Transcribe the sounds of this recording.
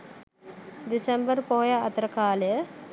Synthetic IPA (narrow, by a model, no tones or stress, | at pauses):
d̪isembəɾpoɦojaːt̪ɐɾɐkaːləjə